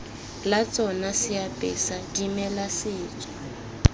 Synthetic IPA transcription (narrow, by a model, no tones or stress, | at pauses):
lat͡sʼɔnasɪjapʼɪsadimɛlasɪːt͡sʼɔ̥